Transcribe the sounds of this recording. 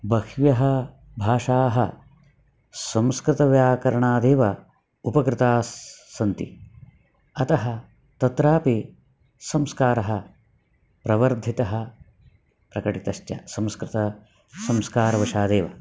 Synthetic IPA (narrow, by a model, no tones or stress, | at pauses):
bɐkʋjɐɦɐ | bʱaːʂaːɦɐ | sɐmskɾɪt̪ɐʋjaːkɐɾɐɳaːd̪eːʋɐ | upɐkɾɪt̪aːɐnt̪ḭ | ɐt̪ɐɦɐ | t̪ɐt̪ɾaːpi | sɐmskaːɾɐɦɐ | pɾɐʋɐɾd̪ʱit̪ɐɦɐ | pɾɐkɐʈit̪ɐʃjɐ̰sɐmskɾɪt̪ɐ | sɐmskaːɾɐʋɐʃaːd̪eːʋɐ